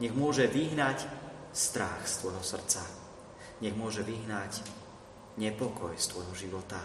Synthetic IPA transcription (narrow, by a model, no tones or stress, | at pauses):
ɲɛɣmʊɔʒɛʋiɦnac | st̪ɾa̰xst̪ʋɔjɦɔsr̩t͡sa | ɲɛɣmʊɔʒɛʋiɦnaɟ | ɲɛpɔkɔjst̪ʋɔjɦɔʒiʋɔt̪a